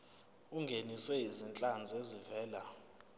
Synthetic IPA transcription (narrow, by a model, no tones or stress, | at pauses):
uŋɡʱenisɛɦizint͡ɬʼand͡zʱezivɛːla